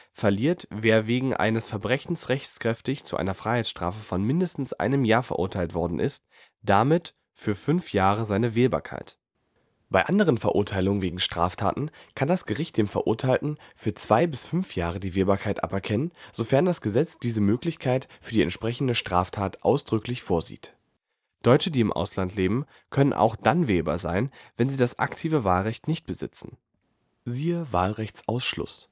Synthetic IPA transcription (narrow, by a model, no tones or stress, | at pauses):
fɛɐliːɐtveːɐveːɡŋ̩ʔa̰ɪnəsfɛɐbʁɛçn̩sʁɛçt͡skʁ̥ɛftɪçt͡sṵʔa̰ɪnɐfʁ̥aɪhaɪtsʃtʁ̥a̰ːfəfɔnmɪndəstn̩sʔa̰ɪnəmjaːɐfɛɐʔʊ̰ɐtʰaɪltv̥ɔɐdn̩ʔɪ̰st̚ | d̥amɪt | fyːɐfʏnfjaːʁəzaɪnəveːba̰ːɐkʰa̰ɪt | b̥aɪʔandəʁənfɛɐʔʊɐtʰaɪlʊŋənveːɡŋ̩ʃtʁ̥a̰ːftʰa̰ːtn̩kʰandasɡ̥əʁɪçt̚d̥eːmfɛɐʔʊɐtʰaɪltn̩fyːɐt͡sv̥aɪbɪsfʏnfjaːʁ̞ədiːveːɐbaːɐkʰaɪtʔa̰pɛɐkʰɛnənz̥ofɛɐndasɡ̥əzɛt͡sd̥iːzəmøːklɪçkʰaɪtfyːɐdiːɛ̰ntt͡ʃʃpʁ̥ɛçn̩dəʃtʁ̥aːftʰaːtʔa̰ʊsd̥ʁʏklɪçfoːɐzḭːt | d̥ɔʏt͡ʃədiːɪmʔa̰ʊslantleːbm̩ | kʰœnənʔa̰ʊxd̥anveːba̰ːɐza̰ɪnvɛnziːdasʔa̰ktʰiːvəvaːlʁɛçtnɪçt̚b̥əzɪ̰t͡sn̩ | ziːəva̰ːlʁɛçt͡sʔa̰ʊsʃlʊ̰s